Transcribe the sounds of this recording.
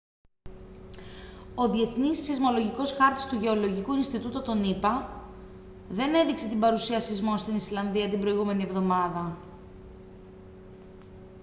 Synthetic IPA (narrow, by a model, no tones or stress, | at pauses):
o̞ðie̞θnisːizmo̞lo̞ʝiko̞sxɐɾt̪i̥st̪uʝe̞o̞lo̞ʝikuinst̪it̪ut̪ot̪o̞nipɐ | ðe̞ne̞ðikse̞t̪imbɐɾusiɐsizmo̞nst̪inislɐnðiɐt̪imbɾo̞iɣume̞nie̞vðo̞mɐðɐ